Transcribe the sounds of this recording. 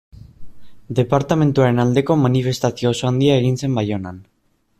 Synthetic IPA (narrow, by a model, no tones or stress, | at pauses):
d̪e̞paɾt̪ame̞nt̪uaɾe̞nald̪e̞ko̞manife̞st̪asio̞ːso̞and̪iae̞ɣ̞inse̞mbajo̞nan